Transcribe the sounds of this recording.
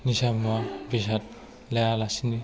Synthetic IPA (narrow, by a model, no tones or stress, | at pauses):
nisamabisat̚ | lɛjalasini